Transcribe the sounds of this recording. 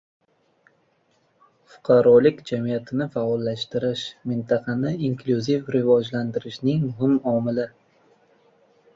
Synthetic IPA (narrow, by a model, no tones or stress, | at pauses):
fʊ̥qʰɑɾɒlɪkʲd͡ʒamijat̪ʰɪnɪfaɒlˠːaʃt̪ɪɾɪʃmɪnt̪ʰɑqʰɑnɪiŋkʰluzifɾɪvɒd͡ʒland̪ɪɾɪʃnɪŋmʊɦɪmɒmɪlɪ